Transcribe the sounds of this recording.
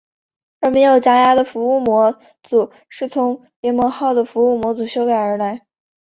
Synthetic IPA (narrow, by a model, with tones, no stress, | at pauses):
ə˞˧˥me˧˥ɪjo˨˩ʊt͡ɕja˥ja˥d̪ə˨fu˧˥u˥˩mwɔ˧˥ | t͡su˨˩ | ʂɻ̩˥˩t͡sʰʊ˧˥ŋ | jɛ˧˥mwɔ˧˥xɑ˥˩ʊd̪ə˩fu˧˥u˥˩mwɔ˧˥t͡su˨˩ɕjo˥ʊka˨˩ɪə˞˧˥la˧˥ɪ